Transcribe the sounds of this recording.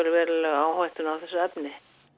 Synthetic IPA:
ɛɾɪvɛːɾɪlɛɣaːwhajht̪ʏnawθɛsːʏɛpnɪ

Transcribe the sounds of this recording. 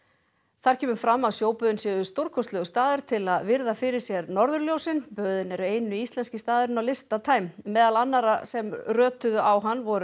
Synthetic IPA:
θaɾ̥cʰɛːmʏfɾamːawsjoːwpœðʏnsjɛðʏst̪oɾkʰɔst̪lœɣʏst̪aːðʏɾ̥t̪ʰɪlaðvɪɾðafɪɾɪɾ̥sjɛɾnɔɾðʏɾljoːwsɪnpœːðʏnɛɾʏeːjnʏist̪lɛnscɪst̪aːðʏɾɪnawlɪst̪at̪ʰaːjmːɛːðalanːaɾasɛmrœːt̪ʏðʏʔawɦanːvɔɾʏ

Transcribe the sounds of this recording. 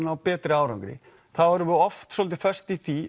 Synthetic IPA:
nawpɛːt̪ɾɪaːwɾœ̰ŋkɾɪ̰ | θaɔɾʏvʏɔft̪sɔːlt̪ɪfɛ̥st̪iθi

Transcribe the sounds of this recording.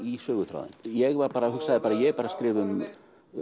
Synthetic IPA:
isœːɣʏθɾa̰ːwðɪ̰njɛɣvaɾpaːɾahuksaðɪpaːɾajɛɛɾpaːɾaskɾɪːvʏm

